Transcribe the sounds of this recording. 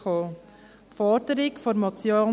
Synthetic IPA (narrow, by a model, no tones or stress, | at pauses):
oː | tfɔɾdəɾɪkfɔɾmɑt͡sjoː